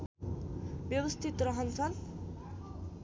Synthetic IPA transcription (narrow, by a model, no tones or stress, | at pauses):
bjʌbʌst̪ʰit̪rʌɦʌnt͡sʰʌn